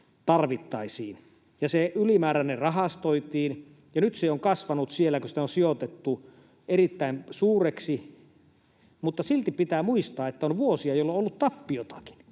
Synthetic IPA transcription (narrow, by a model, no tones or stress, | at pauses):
t̪ɑrʋit̪ːɑisiːn | jɑseylimæːɾænːerrɑɦɑst̪oit̪iːn | jɑnyt̪seoŋkɑsʋɑnut̪sielːˑækosit̪onsiot̪et̪ːu | erit̪ːæinsuːreksi | mut̪ːɑsilt̪ipit̪æːmuist̪ɑːet̪ːæonʋuosiɑjolːoolːut̪t̪ɑpːijot̪ɑ̥ki̥n